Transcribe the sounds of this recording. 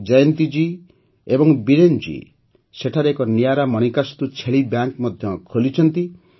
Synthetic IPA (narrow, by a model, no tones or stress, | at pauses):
d͡ʒajɔnt̪id͡ʒi | ebɔŋbiɾend͡ʒḭ | seʈʰaɾeekɔnijaɾamɔñikast̪ut͡ʃʰeɭibjaŋkmɔd̪ʱjɔkʰolit͡ʃʰɔnt̪i